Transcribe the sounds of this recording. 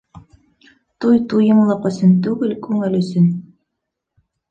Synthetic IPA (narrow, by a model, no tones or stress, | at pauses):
t̪ujt̪ujɤmlˠɑqɵ̆sɵnt̪ʉɡɘlkʉŋɘlɵ̆sɵn